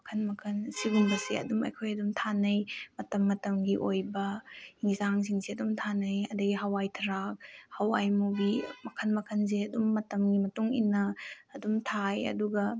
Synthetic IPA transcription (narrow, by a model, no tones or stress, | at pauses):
mɐkʰɐnmɐkʰɐnsiɡunbɐseɐ̰dumɐ̰jkʰojɐdumtʰanɐjmɐtɐmːɐtɐmɡiʔojbɐhiŋzaŋs̬iŋseɐdumtʰanɐjɐdɐɡiɦɐwajtʰɐɾak̚hɐwa̰jmubimɐkʰɐnmɐkʰɐnzeɐdumːɐtɐmɡimɐtuŋinːɐːdumtʰajɐ̰duɡɐ